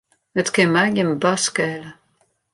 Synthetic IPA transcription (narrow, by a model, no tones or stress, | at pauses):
ət̪kɛmaɡəmbaskɛl